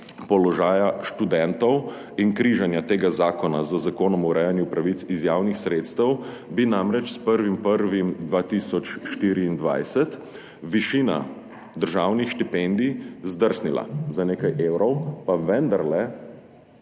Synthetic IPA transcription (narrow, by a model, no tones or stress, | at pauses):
pɔlɔʒaːjaʃt̪ud̪ɛnt̪ɔw | inkɾiːʒanjat̪eːɡazaːkɔnazəzakoːnɔmuɾʔɛjanjupɾaʋit̪sizjaːwnixsɾeːt̪st̪əw | binamɾɛt͡ʃspəɾʋimpəɾʋimd̪ʋaːt̪iːsɔt͡ʃʃt̪iːɾiːnd̪ʋa̰jsɛt̪ | ʋiʃiːna̰ | d̪əɾʒawnixʃt̪ipɛnd̪izd̪əɾsnila̰zaneːkajʔeːwɾɔwpaʋɛnd̪aɾlɛ